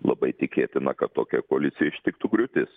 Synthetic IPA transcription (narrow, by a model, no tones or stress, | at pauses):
lˠɐ̰bɐɪt̪ʲɪkʲeːt̪ʲɪnɐkɐt̪tːoːkʲɛkoɔɐlʲɪt̪sʲɪjɛɪʃʲt̪ʲɪkt̪uɡɾʲʊt̪ʲɪs